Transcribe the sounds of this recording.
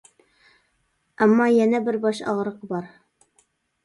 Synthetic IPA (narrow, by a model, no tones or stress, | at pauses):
ɑmːɑjænæbɘɾbɑʃɑ̰ʁɾɤqbɑɾ